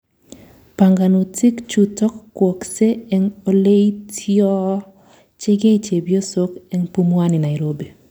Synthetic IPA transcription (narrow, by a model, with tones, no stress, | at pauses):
pa˨ŋɡa˨nu˨tɪ˦kt͡ʃu˨tɔ˦kːwo˨kse˦ɛ˦ŋo˦le˦i˦tʰjɔ˦ | t͡ʃɪ˦ɡe˦i˨t͡ʃe˨bjo˦so˦kɛ˦ŋpu˦mwa˦nɪ˨na˨ɪ˨ɾo˦be˨